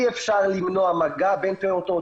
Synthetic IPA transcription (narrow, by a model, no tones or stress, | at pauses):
efʃʃaʁlimnoamaɡabenpeot̪o